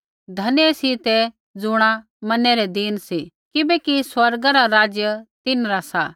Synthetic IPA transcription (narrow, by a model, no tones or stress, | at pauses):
d̪ʱɐnesit̪ɛ | d͡zʊɽ̃a | mɐnɛɾɛd̪iːnsi | kɪbɛkiswɐɾɡaɾaɾaːd͡ʒjət̪ɪnɾasa